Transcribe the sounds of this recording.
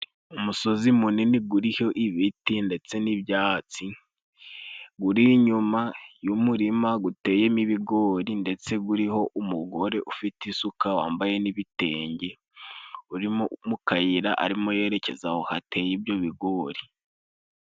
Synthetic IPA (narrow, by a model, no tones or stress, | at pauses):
umuso̞zimuniniɡuɾiho̞ʔiβitinde̞t͡se̞nibjaːt͡si | ɡuɾiɲumajumuɾimaɡute̞ːje̞niβiɡo̞ːɾinde̞t͡se̞ɡuɾiho̞ʔumuɡo̞ɾe̞ʔufitisukawaːmbaje̞niβite̞ːɲɟe̞ | uɾimomukajiɾaʔa̰ɾimo̞je̞ːɾe̞ce̞zahohate̞jibjo̞βiɡo̞ːɾi